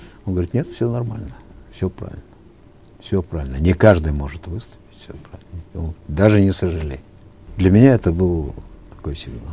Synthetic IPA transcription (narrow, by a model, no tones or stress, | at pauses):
onɡəʋəɾʲit̪nʲe̞t̪fsʲonɐrmalʲnəfsʲopɾa̰vʲɪ̰lʲnə | fsʲopɾavʲɪlʲnənʲɪkaʐd̪ɨjmo̞ʐɨt̪vɨst̪ʊ̥pʲɪ̥tʲfsʲopɾa̰vʲɪlnəonɡɾt̪d̪aʐɨnʲɪsəʐɨlʲḛjʲɪ | d̪lʲɐmʲɪnʲaɛt̪əbɨlˠət̪ɐ̥ko̞jsʲɪɡʲna